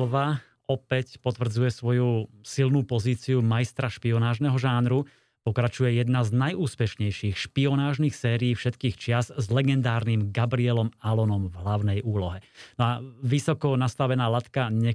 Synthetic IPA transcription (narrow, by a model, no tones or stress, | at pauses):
lʋa | ɔpɛcpɔt̪ʋr̩d͡zujɛsʋɔjusilnuːpɔziːt͡siumajst̪ɾaʃpiɔnaːʒnɛɦɔʒaːnɾu | pɔkɾat͡ʃujɛjɛd̪naznajuːspɛʃɲɛjʃiːxʃpiɔnaːʒniːxsɛːɾiːfʃɛt̪kiːxt͡ʃɪaszlɛɡɛnd̪aːɾniːmɡabɾiɛlɔmalɔnɔmvɦlaʊnɛjuːlɔɦɛnɔaʋisɔkɔnast̪aʋɛnaːlat̪kaɲɛ